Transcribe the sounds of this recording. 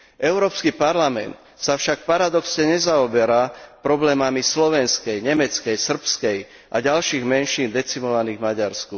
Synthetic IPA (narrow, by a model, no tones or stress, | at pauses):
ʔɛʊɾɔːpskipaɾlamɛ̰nt̪ | safʃak̚paɾad̪ɔksɲɛɲɛzaɔbɛɾaːpɾɔblɛːmamislɔʋɛnskɛjɲɛmɛt͡skɛjsr̩pskɛj | ʔa̰ɟalʃiːɣmɛnʃiːnd̪ɛt͡simɔʋaniːɣmaɟaɾsku